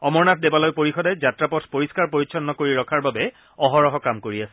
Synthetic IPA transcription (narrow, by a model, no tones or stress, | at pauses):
ɔmɔɹnat̚ʰdebalojpoɹixɔdɛzatɹapɔtʰpoɹiskaɹpoɹisʰɔnːɔkoɹiɹɔkʰaɹbabɛ | ɔɦɔɹɔɦɔkamkoɹiasɛ